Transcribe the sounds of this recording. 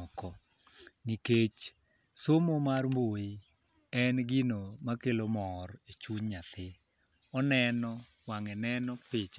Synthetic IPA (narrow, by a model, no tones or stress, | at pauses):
ɔkɔ | niket͡ʃ | somomarmboji | ɛnɡinomakelomɔret͡ʃuɲɲat̪ʰɪ | ɔnɛnɔ | waŋɛnɛnɔpɪt͡ʃa